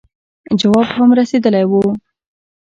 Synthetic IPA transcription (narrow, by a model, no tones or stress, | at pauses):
d͡ʒawɑbhamɾased̪əlajwu